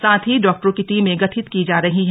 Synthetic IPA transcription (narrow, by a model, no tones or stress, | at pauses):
sãːt̪ʰiɖɔːk̚ʈəɾõkit̪iːmẽɡɐʈʰɪt̪kid͡ʒaːɾɐɦiɦ